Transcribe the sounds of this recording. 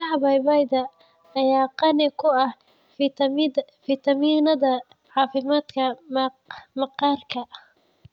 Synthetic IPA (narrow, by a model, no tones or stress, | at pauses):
ɐbɐjbɑjd̪ɐ | ɐjaːqɑnɪkʰʊɐh | fɪt̪ʰɐminɐðɐ | ʕɑːfɪmaːd̪kʰɐ | mɑqɑːrkʰɐ